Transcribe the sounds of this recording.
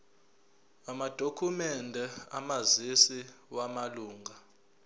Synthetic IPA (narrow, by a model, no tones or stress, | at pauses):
amad̥ʱokʰumɛndʱɛa̰mazisiwamaluːŋʱa